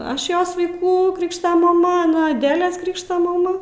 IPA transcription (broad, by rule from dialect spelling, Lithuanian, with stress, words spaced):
ˈɐʃ ˈjoːs ʋɐɪˈkuː ˈkrʲɪkʃtoː mɐˈmɐ ɐˈnɐ ɐˈdʲæːlʲeːs ˈkrʲɪkʃtoː mɐˈmɐ